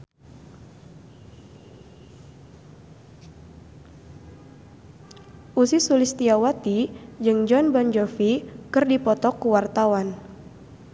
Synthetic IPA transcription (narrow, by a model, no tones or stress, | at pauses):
ʔusisulist̪iawat̪id͡ʒɨŋd͡ʒɔnbɔnd͡ʒɔfikərdipɔt̪ɔkuwart̪awan